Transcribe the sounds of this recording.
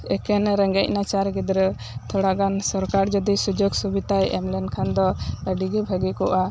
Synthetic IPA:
ɛkɛnɾɛŋɡɛc̚nat͡ʃaɾɡid̪ɾɛ | t̪ʰɔɽaɡansɔɾkaɾd͡ʒɔd̪isud͡ʒoɡsubit̪ajɛ̰mlɛnkʰand̪ɔəɖiɡibʱəɡikɔʔa

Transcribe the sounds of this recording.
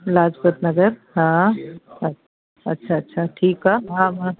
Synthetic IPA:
lad͡ʒpət̪nəɡəɾɦã | ə | ətːʃʰaːtːʃʰaʈʰiːkɦaɦãmã

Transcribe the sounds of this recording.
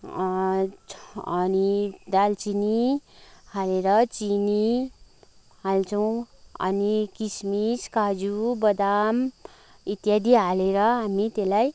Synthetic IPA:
ʌnid̪alt͡sini | haleɾʌt͡sini | ɦalt͡sʌw̃ | ʌ̰nikismiskad͡zubʌd̪am | it̪jad̪iɦaleɾʌɦamit̪elaj

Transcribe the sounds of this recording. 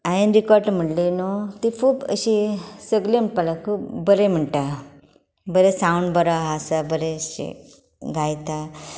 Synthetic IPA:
ajənɾikɔɾʈm̤əɽlenot̪ifuːpə̰ɕisəɡlem̤əʈ̚palakʰuːpbəɾem̤əɳʈa | bəɾesauɳɖbəɾaɦasabəɾeɕḭ | ɡʱajt̪a

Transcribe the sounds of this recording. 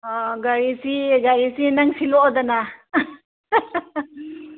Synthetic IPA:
ɔɡaɾisiɡaɾisinaŋsiloʔɔd̪ana

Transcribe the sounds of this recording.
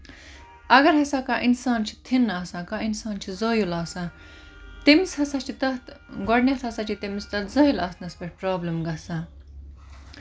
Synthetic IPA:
ɐɡɐɾɦɐsaːkaːʔinsaːnt͡ʃʰi̥t̪ʰinːaːsãːkainsaːnt͡ʃʰizoːjulaːsãː | t̪imishɐsat͡ʃʰit̪ɐt̪ɡɐɽnjɐt̪ʰhɐsat͡ʃʰit̪imist̪ɐt̪zɐjulaːsnɐspeʈ̚ʰpɾaːblɐmɡɐsaː

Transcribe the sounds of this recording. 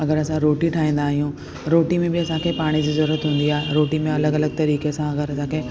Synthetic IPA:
ɐɡəɾɐsãɾoːʈiʈʰaːɦĩːn̆d̪aːɦijũ | ɾoːʈimẽbɪɐsãkʰeːpaːɽ̃id͡ʑiːzɐɾuːɾət̪ɦũːnd̪iaːɦeɾoːʈimẽɐləɡɐləɡ̚t̪ɐɾiːkesãɐɡəɾɐsãkʰeː

